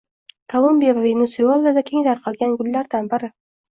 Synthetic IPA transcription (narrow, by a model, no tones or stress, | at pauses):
kʰolˠombijavavenosiolˠad̪akʲʰeŋd̪aɾqʰɒlˠɡʲanɡʊlːaɾd̪anbɪɾɪ